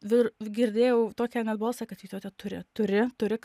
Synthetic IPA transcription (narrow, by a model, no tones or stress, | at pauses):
ʋʲɪɾɡʲɪɾʲd̪ʲeːjɛʊt̪oːkʲɛnʲɛd̪bɐlˠsɐkɐt̪jiːt̪oːt̪ʲɛt̪ʊɾʲɪ̰t̪ʊɾʲɪt̪ʊɾʲɪk